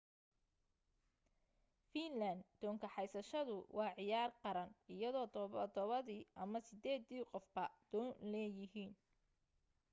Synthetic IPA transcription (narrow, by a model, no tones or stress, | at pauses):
finlɐnd̪d̪̥ɔːŋkʰɐħɑjsɐʃɐðʊwʔɑːʕɪjaːrqɑɾɐnɪjɐðɔːd̪d̪ɔβɐðiːʔɐmɐsɪd̪ɛːd̪iːqɔfbɐd̪̥ɔːnlɛːjɪɦiːn